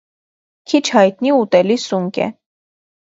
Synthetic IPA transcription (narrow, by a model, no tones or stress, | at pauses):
kʰit͡ʃʰhɑjt̪̚niut̪ɛlisuŋkʲɛ̰